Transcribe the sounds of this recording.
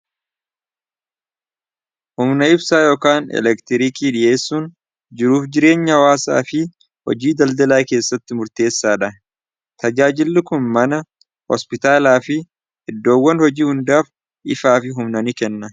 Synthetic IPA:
hʊmnɐɪbsaːjo̞ːkaːnɛ̰lɛkt̪ɪɾɪkiːᶑɪʔe̞ːsːuːn | d͡ʒɪɾuːfd͡ʒɪɾe̞ːɲːɐwaːsa̰ːfɪ | hɔ̰d͡ʒiːd̪ɐld̪ɐlaːke̞ːsːɐt̪ːɪmʊɾt̪e̞ːsːaːᶑɐ | t̪ɐd͡ʒaːd͡ʒɪlːɪkʊnmɐnɐ | hɔ̰spɪt̪aːlaːfɪ | ʔɪd̪ːo̞ːwːɐnhɔd͡ʒiːhʊnd̪aːf | ʔɪfaːfɪɦʊmnɐnɪkɛnːɐ

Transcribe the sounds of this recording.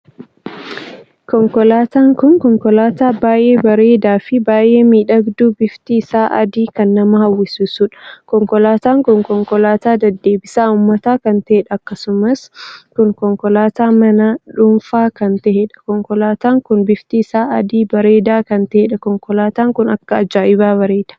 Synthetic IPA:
kɔŋkɔlaːt̪aːŋkʊŋkɔŋkɔlaːt̪aːbaːʔe̞ːbɐɾe̞ːd̪aːfɪbaːʔe̞ːmiːᶑɐɡd̪uːbɪft̪iɪsaːʔɐ̰d̪iːkɐnːɐmɐhɐwːɪsʊsuᶑɐ̥kɔŋkɔlaːt̪aːŋkʊŋkɔŋkɔlaːt̪aːd̪ɐd̪ːe̞ːbɪsaːʊmːɐt̪aːkɐnt̪ɐheᶑɐːkːɐsʊmɐskʊŋkɔŋkɔlaːt̪aːmɐnaᶑʊnfaːkɐnt̪ɐheᶑɐ̥kɔŋkɔlaːt̪aːŋkʊnbɪft̪isaːɐd̪iːbɐɾe̞ːd̪aːkɐnt̪ɛheᶑɐkɔŋkɔlaːt̪aːŋkʊnɐkːɐɐd͡ʒaːʔɪbaːβɐɾe̞ːd̪̥ɐ̥

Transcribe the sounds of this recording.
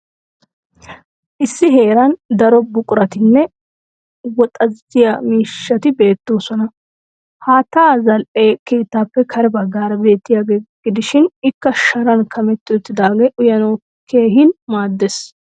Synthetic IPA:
ʔɪsːɪɦe̞ːɾɐnd̪ɐɾɔbʊkʼʊɾɐt̪ɪnːɛ | wɔt̪ʼɐzɪjamiːʃːɐt̪ɪbe̞ːt̪ːo̞ːsɔnɐ | haːt̪aːzɐlʔeːkeːt̪ːaːpːɛkʰɐɾɛbɐɡːaːɾɐbe̞ːt̪ːɪjaːɡeːɡ̥ɪd̪ɪʃɪnɪkːɐʃɐɾɐnkʰɐmɛt̪ːɪɔt̪ːɪd̪aːɡeːʔʊjɐnoː | kʰe̞ːhɪnmaːd̪ːes

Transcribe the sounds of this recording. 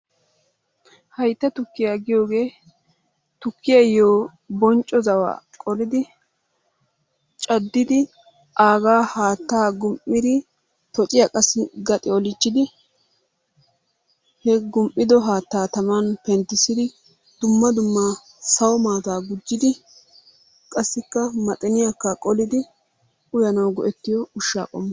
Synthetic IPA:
hɐjt̪ːɐt̪ʊkːɪjaːɡɪjo̞ːɡe̞ː | t̪ʊkːɪjɐjoː | bɔnt͡ʃʼːɔzɐwa̰ːkʼɔlɪd̪ɪ | t͡ʃʼɐd̪ːɪd̪ɪ | ʔaːɡaːhaːt̪ːaːɡʊmʔːɪd̪ɪ | t̪ɔt͡ʃʼɪjɐkʼɐsːɪɡɐt̪ʼɪɔlɪt͡ʃːɪd̪ɪ | hɛɡʊmʔʼɪd̪ɔɦaːt̪ːaːt̪ɐmanpɛnt̪ːɪsɪd̪ɪ | d̪̥ʊmːɐd̪ʊmːaː | sɐwɔmaːt̪aːɡʊd͡ʒːɪd̪ɪ | kʼɐsːɪkːɐmɐt̪ʼɛnɪjakːakʼɔlɪd̪ɪ | ʊjɐnɐwɡɔʔɛt̪ːɪjɔʊʃːa̰ːkʼɔmːɐ

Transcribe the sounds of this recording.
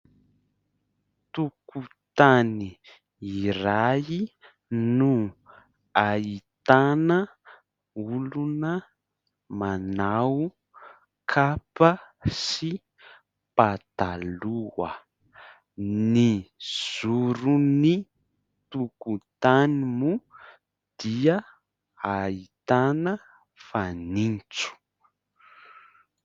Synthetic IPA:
t̪ukut̪aniː | iɾai | nu | ait̪anə | ulunə | manawu | kʰapəsi | pat̪aluwə̰ | niz̥uɾuni | t̪ukut̪animu | d̪̥iə | ait̪anə | fanint͡su̥

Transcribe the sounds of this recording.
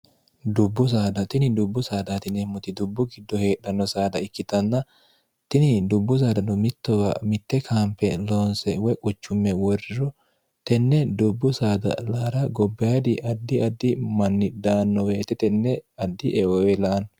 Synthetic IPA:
d̪ʊbːʊs̬aːd̪ɐt̪ɪnɪd̪ʊbːʊsaːd̪aːt̪ɪnɛmːʊt̪ɪd̪ʊbːʊɡɪd̪ːɔheːᶑɐnːɔsaːd̪ɐɪkːɪt̪ɐnːɐ | t̪ɪnɪd̪ʊbːʊs̬aːd̪ɐnɔmɪt̪ːɔwɐ̰mɪt̪ːɛkʰaːmpːɛloːnsɛwɔjkʼʊt͡ʃːʊmːɛwɔrɾɔ | t̪ɛnːɛd̪ʊbːʊsaːd̪ɐ̰laːɾɐɡɔbːɛjad̪ɪʔɐd̪ːɪɐd̪ːɪmɐnːɪd̪aːnːɔweːt̪ɛt̪ɛnːɛɐd̪ːɪʔɛɔwɛlaːn

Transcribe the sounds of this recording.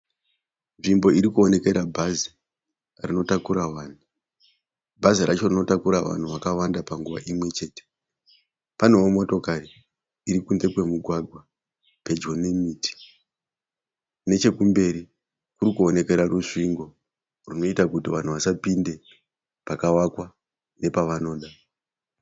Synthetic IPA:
nʐimbo̞iɾikuone̞ke̞ɾabʱazi | rino̞takuɾaʋaːn̤u | bʱaziɾat͡ʃo̞rino̞takuɾaʋa̰n̤uʋakawandapaŋɡuʋa̰ʔimwe̞t͡ʃe̞ːte̥ | pane̞womo̞to̞kariː | ɾikunze̞kwe̞muɡʱwaɡʱwa | pe̞d͡ʒo̞ne̞miːti̥ | ne̞t͡ʃe̞kumbe̞ɾi | kuɾikuo̞ne̞ke̞ɾaruʂiŋɡo̞ | runo̞itakutiʋan̤uʋasapinde̞ | pakawakwa | ne̞paʋano̞ːɗa

